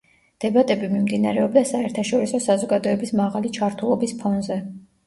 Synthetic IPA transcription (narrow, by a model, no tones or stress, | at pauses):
d̪̥ɛbat̪ʼɛbimimd̪ina̰ɾɛɔbd̪asaɛɾt̪ʰaʃɔɾisɔsazɔɡad̪ɔɛbismaʁalit͡ʃʰaɾt̪ʰulˠɔbispʰɔnzɛ